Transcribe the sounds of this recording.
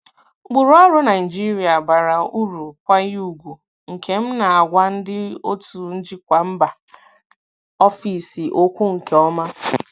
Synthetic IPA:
ɡ͡bʊ˨ɾu˦ɔ˦ɾʊ˦na˨ɪ˨d͡ʒi˦ɾi˨a˨ba˨ɾa˨u˦ɾu˨kʷa˦ju˨ɡʷu˨ | ŋ̩˨kʰe˨m̩˦na˨a˨ɡʷa˦n̩˦dɪ˦o̰˦tu˨n̩˦d͡ʒi˦kʷa˨m̩˦ba˨ | ɔ˦fi˨si˨ʔo˦kʷu˦ŋ̩˨ke˨ɔ˦ma˦

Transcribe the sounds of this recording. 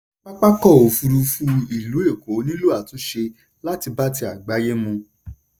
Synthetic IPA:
k͡pa˦k͡pa˦kɔ˦˨o˨fu˧ɾu˧fũ˦i˦˨lu˨˦e˦˨ko˨˦nĩ˦lu˦a˦˨tũ˨˦ʃe˧ | la˦ti˧ba˦ti˧a˨ɡ͡ba˨˦je˦mũ˧

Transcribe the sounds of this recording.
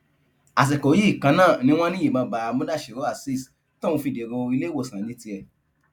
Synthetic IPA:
a˨s̬ɛ˨ko˨˦ji˦˨kã˧nãː˦˨nĩ˧w̃ɔ̃˦nĩ˦i˦˨mã˧ba˨˧mũ˦da˦˨ʃi˨ɾo˨˦a˦˨si˦˨s | tã˦˨wũ˧fi˧de˨ɡɔ̃˧i˧le˦wo˦˨sã˨˦ne˦ti˧ɛ˧

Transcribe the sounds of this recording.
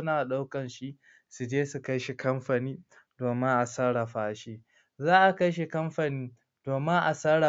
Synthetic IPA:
ʊ˦naː˨ɗa˦wkɐ˨nʃi˦ʔ | su˨d͡ʒeː˦su˨ka˦jʃi˨kɐ˦mɸa˨niː˦ | doː˨mɪ˦ŋʔa˨sɐ˦ɽa˨ɸaː˦ʃeː˦ | zaː˦ʔa˨ka˦jʃ̬e˨kɐ˦mɸa˨niː˦ | d̥oː˨mɪ˦ʔa˨sɐ˦ɽa˨

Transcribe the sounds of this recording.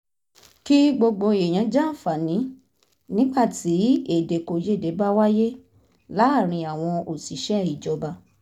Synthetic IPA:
ki˦ɡ͡bo˧ɡ͡bo˧e˨j̃ã˨˦d͡ʒa˦˨fa˨nĩ˨˦ | nĩ˦ɡ͡ba˦˨ti˨˦e˦˨de˧ko˨˧je˦˨de˨˦ba˦wa˦je˦ | la˨˦a˦˨ɾ̃ĩ˧a˨w̃ɔ̃˧o˨si˨˦ʃɛ˦˨i˨d͡ʒɔ˧ba˧

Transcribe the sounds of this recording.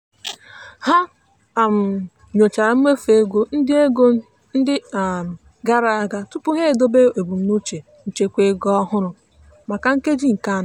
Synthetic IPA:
ha˦ | a˨m̩˨ | ɲo˨t͡ʃa˨ɾa˨m̩˦me˦fe˨˦ɡʷo˦n̩˦dɪ˦e˦ɡo˦ | n̩˦dɪ˦˨ | ɡa˦ɾa˨a˦ɡa˦tʊ˦pʊ˦ɦe˦˨do˦be˦e˨bu˨m̩˦nu˦t͡ʃe˨ | n̩˨t͡ʃe˦kʷe˦ɡɔ˦ɦʊ˦ɾʊ˨ | ma˨ka˨ŋ̩˦ke˦d͡ʒi˦ŋ̩˨ka˦n˨

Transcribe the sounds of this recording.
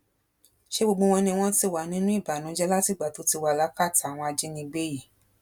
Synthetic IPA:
ʃe˦ɡ͡bo˧ɡ͡bõ˧w̃ɔ̃˧nĩ˧w̃ɔ̃˦ti˧wa˨nĩ˨˦nũ˦i˦˨ba˨nũ˨˦d͡ʒɛ˦la˦ti˦˨ɡ͡ba˨to˨˦ti˧wa˧˨la˨˦ka˦˨ta˨w̃ɔ̃˧a˧d͡ʒɛ˦nĩ˧ɡ͡be˦ji˦˨

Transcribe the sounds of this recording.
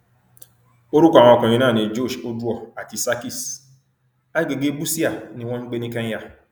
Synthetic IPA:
o˦ɾu˦kɔ˦˨w̃ɔ̃˧˨kã˨ĩ˧nãː˦˨nĩ˧d͡ʒo˦˨ʃo˦du˦ɔ˦˨a˨ti˨˧sa˦ki˦˨s | a˦ɡe˧ɡe˦bu˦si˦a˦˨nĩ˦w̃ɔ̃˦ñ̩˦ɡ͡be˦nĩ˦kã˦a˦˨

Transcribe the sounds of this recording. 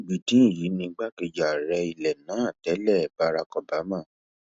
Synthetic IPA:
ɡ͡bi˨tĩ˨˦i˦˨ji˨˦nĩ˧ɡ͡ba˦ke˧˨d͡ʒa˨ɾɛ˧i˨lɛ˨nã˨˦a˦˨tɛ˨˦lɛ˦˨ba˧˦˧ɾa˧kɔ˧ba˨˦mã˦˨

